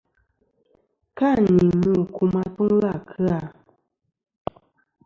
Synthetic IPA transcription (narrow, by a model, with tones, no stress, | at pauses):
ka˦˨ni˨mu˦˨kʰu˨ma˦tu˦ŋ˦ɣa˦˨kʰɨ˦a˦˨